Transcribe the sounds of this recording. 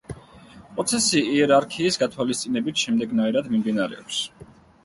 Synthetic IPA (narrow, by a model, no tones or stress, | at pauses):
pʼɾɔt̪sʰɛsiiɛɾaɾkʰiːsɡat̪ʰwalist̪sʼinɛbit̪ʰʃɛmd̪ɛɡnaiɾad̪mimd̪inaɾɛ̰ɔps